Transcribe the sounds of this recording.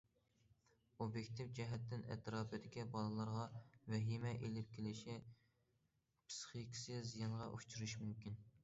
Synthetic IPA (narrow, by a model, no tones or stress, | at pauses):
objekʲt̪ʰifd͡ʒɛɦɛt̪ʰːɪnɛ̰t̪ʰɾɑːbɨd̪ɪkʲibɑlˠɨlˠɑɾʁɑvɛɦimɛʔelɪp̚kʲelɪʃi | pʰsχikʲʰi̥sɪzijɑnʁɑʔṵt͡ʃʰuɾuʃmymkʲʰin